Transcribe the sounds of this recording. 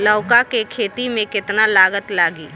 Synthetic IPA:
ləʊkakekʰeːt̪imẽkɪt̪nalaːɡət̪laːɡiː

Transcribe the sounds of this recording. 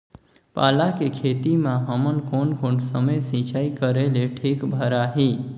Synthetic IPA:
pa̰ːlakekʰet̪imãɦəmənkʰonkoːnsəməjsĩt͡ʃaːikəɾeleʈʰiːkbʱəɾaɦi

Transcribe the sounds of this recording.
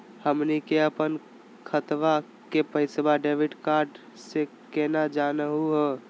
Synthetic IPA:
həmnikeəpən | kʰət̪ʋa | kepəɪsbaɖeːʋɪʈkaːɾɖ | se | keːnad͡ʒaːnəɦuɦə

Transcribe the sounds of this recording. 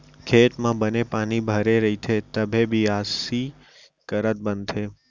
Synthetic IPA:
kʰet̪mãbənepanibʱəɾeɾəɦit̪ʰet̪əbʱebʱiasi | kəɾət̪̚bənt̪ʰe

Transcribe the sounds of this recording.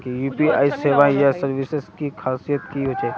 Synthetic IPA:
kijuːpia̰ːiseːʋajasɐɾʋiseskikʰaːsijət̪̚kiɦoːt͡ʃeː

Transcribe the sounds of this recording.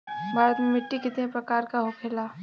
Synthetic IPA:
bʱaːɾət̪mẽmɪʈːikɪt̪nẽpɾɐkaːɾkaɦoːkʰeːlaː

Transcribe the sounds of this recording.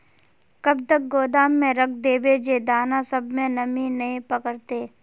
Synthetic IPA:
kɐb̚t̪ək̚ɡoːd̪aːmːẽɾɐkʰd̪eːbed͡ʒed̪aːnasɐbmẽnɐminɐĩpəkəɾt̪eː

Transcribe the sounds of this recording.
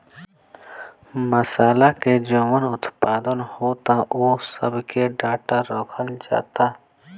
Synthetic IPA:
məsaːlaked͡ʒoːmənʊt̪paːd̪ənhoːt̪ãʔoːsə̰bkeɖaːʈaɾoːkʰəld͡ʒa̰ːt̪aː

